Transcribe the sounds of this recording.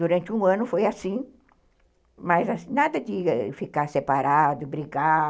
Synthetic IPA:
d̪uɾɐ̃nt͡ʃɪũɐ̃nʊfojasĩ | mɐzasnad̪ɐd̪ɪfikaɾsepaɾad̪ʊbɾiɡa

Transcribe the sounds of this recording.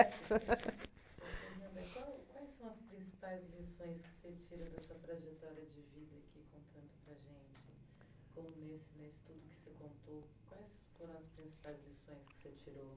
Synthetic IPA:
oemɐ̃nd̪ɐkwawkwajsːɐ̃w̃ɐspɾĩsi̥pajzlisõj̃skɪ̥set͡ʃiɾɐd̪ɐsuɐt̪ɾaʒet̪ɔɾiɐd͡ʒɪvid̪ɐakʰikõnt̪ʰɐ̃nd̪ʊpɾɐʒẽnt͡ʃɪ | kõmʊnesɪnesɪ̥t̪ud̪ʊkɪ̥sekõnt̪okwajs | foɾɐ̃w̃ɐspɾĩsi̥pajzlisõj̃skɪ̥set͡ʃiɾo

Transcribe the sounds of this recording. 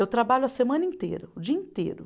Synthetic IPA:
ewt̪ɾabaʎʊɐsemɐ̃nɐĩt̪ḛɾɐʊd͡ʒiɐĩt̪ḛɾʊ

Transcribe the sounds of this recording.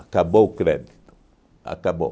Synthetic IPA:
kaboukɾed | a̰kabo

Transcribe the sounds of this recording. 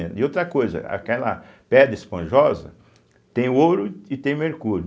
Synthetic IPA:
ẽɪowt̪ɾɐkojzɐ̰a̰kɛlɐ̰pɛd̪ɾɐispɐ̃ʒɔzɐ̰ | t̪ẽj̃oɾʊɪt̪ẽj̃meɾkuɾʊ

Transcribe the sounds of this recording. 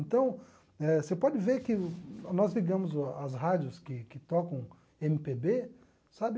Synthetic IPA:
nt̪ɐ̃w̃ | ɛsepɔd͡ʒɪveɾkɪnɔzliɡɐ̃mʊzɐzɦad͡ʒjʊskɪkɪt̪ɔkɐ̃w̃ | ẽmɪpebe | sabɪ

